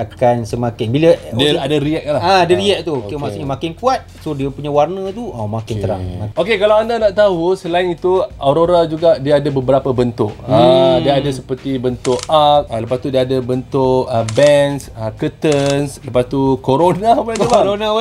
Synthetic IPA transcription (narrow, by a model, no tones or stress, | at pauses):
akansəmakɪnbilədiadaɾiɛk̚lahaadaɾiɛʔ̚t̪uokemasuʔɲamakɪnkuat̪̚sodiəpuɲawarnət̪uomakɪnəɾa̰ŋmaokekalawandanaʔt̪aɦusəlaɪnit̪uaɾoɾad͡ʒuɡaʔdiaadabəbəɾapabənt̪ʊʔədiaadasəpərt̪ibənt̪ʊʔak̪̚aləpast̪udiaːdəbənt̪ʊʔəbɛnsəkət̪ənsləpast̪ukoɾonapaaubaɾona